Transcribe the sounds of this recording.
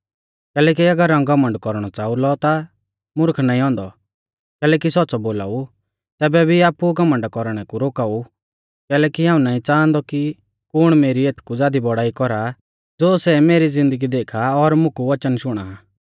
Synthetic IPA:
kɛːlɛːk̬iɐɡəɾãũɡɐmə̃ɳɖkɔɾɽ̃ɔt͡saːulɔt̪a | mʊɾkʰnaːĩɔ̃ːnd̪ɔ | kɛːlɛːk̬isɔt̪ːsɔboːla̰ːu | t̪ɛːbɛbʱiaːpuɡɐmə̃ɳɖkɔɾɽ̃ɛkuɾoːkaːu | kɛːlɛːkiɦãːũnaːĩt͡sãːnd̪ɔki | kʊɽ̃meːɾieːt̪ʰkud͡zaːd̪ibɔɽaːikɔɾa | d͡zoːsɛmeːɾid͡zɪ̃nd̪əɡid̪eːkʰaɔɾmʊ̃kuʋɐt͡ʃənʃʊɽ̃a

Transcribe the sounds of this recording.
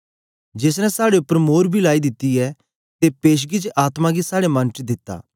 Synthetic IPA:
d͡ʒeːs̬nɛ̃saːɽeʊpːəɾmoːɾbʱilaːid̪ɪt̪ːiɛ | t̪epeːʃ̬ɡit͡ʃʔaːt̪mãɡisaːɽemɐ̃nʈɾid̪ɪt̪ːa̰ː

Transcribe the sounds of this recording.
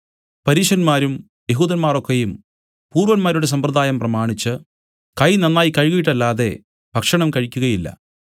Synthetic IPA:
pɐɾiːʂɐnmaːɾum | je̞ɦuːðɐnmaːro̞kːejum | puːrʋɐnmaːɾuɽes̬ɐmprɐðaːjɐmprɐmaːɳit͡ɕːɨ | kɐjnɐnːaːjikɐɻɣujiʈːɐlːaːðe̞ | bʱɐkʂɐɳɐmkɐɻikʲːuɣɐjilːɐ̰

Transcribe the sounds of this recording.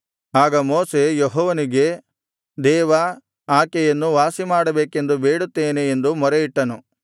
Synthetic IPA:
aːɡɐmoːse̞jeɦɔːʋɐniɡe̞ | d̪ɛːʋɐ | aːkɛjɐnːuʋaːsimaːɽɐbeːke̞nd̪ubeːɽut̪ːeːneːnd̪umɔɾeiʈːɐnu

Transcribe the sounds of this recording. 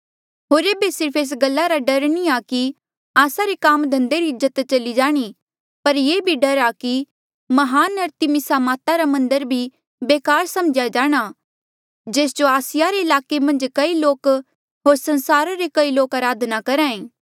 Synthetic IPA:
ɦoːɾeːbesɪɾpʰeːs̬ɡɐlːaɾaɖɐɾniaki | aːsaɾekaːmd̪ʱɐ̃nd̪eɾiɪzːət̪t͡ʃɐlid͡ʒaːɽ̃i | pɐɾjeːbʱiɖɐɾaki | mɐɦaːnɐɾt̪imɪsamaːt̪aɾamɐ̃nd̪əɾbʱi | beːkaːɾsɐmd͡ʒjad͡ʒaːɽ̃a | d͡ʒeːs̬d͡ʒoaːsɪjaɾeɪlaːkemɐ̃nd͡ʒkɐiloːk | ɦoːɾsɐ̃nsaːɾaɾekɐiloːkɐɾaːd̪ʱnakɐɾãːẽː

